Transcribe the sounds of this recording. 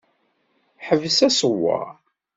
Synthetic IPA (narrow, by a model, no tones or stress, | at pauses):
ħəvəsæsəwːɑ̰